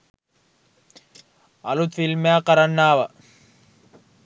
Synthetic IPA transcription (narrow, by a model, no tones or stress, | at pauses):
ɐlut̪filmeaːkɐɾɐnːaːʋɐ